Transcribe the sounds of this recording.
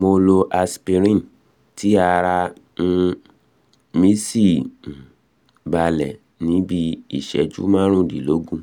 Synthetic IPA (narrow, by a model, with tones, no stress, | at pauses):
mo˧lo˧ʔa˧spi˧ɾĩ˦n | ti˨˦a˧ɾa˧n̩˦ | mi˦si˦˨ | ba˧lɛ˨ | nĩ˨˦bi˧i˦˨ʃɛ̰˨˦d͡ʒṵ˦mãː˦ɾ̃ũ˦˨di˨lo˨˦ɡũ˦˨